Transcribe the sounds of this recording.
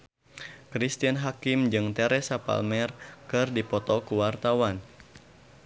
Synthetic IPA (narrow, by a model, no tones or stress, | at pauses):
kɾist̪ianɦakɪmd͡ʒɨŋt̪ɛɾɛsapa̰lmɛrkɨrdipɔt̪ɔkuwart̪awan